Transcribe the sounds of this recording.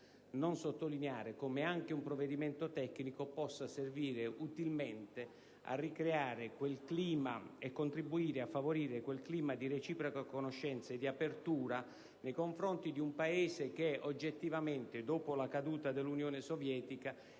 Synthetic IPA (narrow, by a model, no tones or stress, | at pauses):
nonsot̪ːolineaːɾekomeaŋk̟eumpɾoved̪iment̪ot̪ɛkːnikopɔsːaserviːɾeʔut̪ilment̪e | a̰rːikɾeaːɾekwelkliːmaekːont̪ɾibuiːɾeafːavoɾiːɾekwelkliːmad̪iɾet͡ʃiːpɾokakonoʃːɛnt̪saed̪ːiapert̪uːɾa | nejkoɱfɾont̪id̪iumpaeːsek̟eod͡ʒːet̪ːivament̪ɪd̪oːpolakad̪uːt̪ad̪elːunjoːnesovjɛːt̪ika